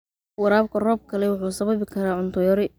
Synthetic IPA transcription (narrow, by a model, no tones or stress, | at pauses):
wɑɾaːbkʰɐrɔːb̚kʰɐlɛwʊħuːsɐβɐβɪkʰɐɾaːʕʊnt̪ʰɔjɔɾɪ